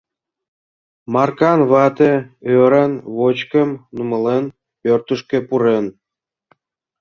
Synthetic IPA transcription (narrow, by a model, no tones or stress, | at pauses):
mɑrkɑnβɑt̪ĕøɾənβot͡ɕkə̆mnumə̆len | pørt̪əʃkĕpuɾen